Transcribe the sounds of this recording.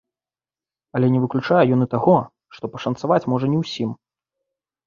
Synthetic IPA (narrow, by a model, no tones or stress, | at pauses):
ɐlʲɛnʲɛvɨklʲut͡ʂajɛjɔnɨt̪aɣɔ | ʂt̪ɔpɐʂɐnt̪savat͡sʲmɔʐɐnʲɛwsʲim